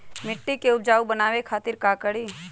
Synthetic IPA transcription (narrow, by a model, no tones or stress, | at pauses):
mɪʈːikeʊb̚d͡ʒaːubənaːʋekʰaːt̪ɪɾkaːkəɽiː